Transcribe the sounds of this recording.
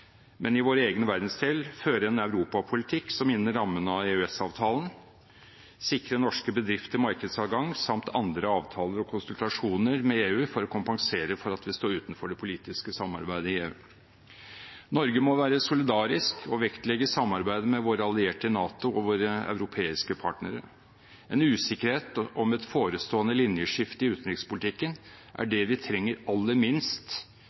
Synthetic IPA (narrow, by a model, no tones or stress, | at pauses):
mʔɛnɪʋoːɾəeːɡənʋæɾd̪n̩st̪ʰeːlføːɾɛnœʉɾuːpɑpʰʊlɪt̪ʰɪkːsɔmɪnːəɾɑmːənəɑeːʉɛsɑːʋt̪ʰɑːlən | sɪkɾənɔʂkəbəd̪ɾɪft̪əmɑɾkəd̪sɑːɡɑŋːsɑmt̪ʰɑnd̪ɾəɑːʋt̪ʰɑːləɾɔkʰʊnsʉlt̪ɑʂuːnəɾmɛeːʉːfɔɾɔkʰʊmpɑŋseːɾəfɔɾɑt̪ʋɪst̪oːɾʉːt̪nfɔɖɛpʰʊliːt̪ɪskəsɑmːɑ̰ɾbæɪd̪əɪeːʉ̰ː | nɔɾɡəmɔʋæːɾəsʊlɪd̪ɑːɾɪskʰɔʋɛkt̪lɛɡəsɑmːɑɾbæɪd̪əmɛʋoːɾəɑlɪeːʈənɑːt̪ʊɔʋoːɾəɑ̰ʉɾʊpʰeːɪskəpʰɑʈnəɾə̰ | ɛnʉːsɪkəɾheːt̪ɔmɛt̪foːɾəst̪oːənəlɪnjəʂɪft̪əɪʉːt̪ənɾɪkspʊlɪt̪ʰɪkːən | ʔæ̰ɖɛʋɪt̪ʰɾɛŋːəɾɑlːəmɪnst̪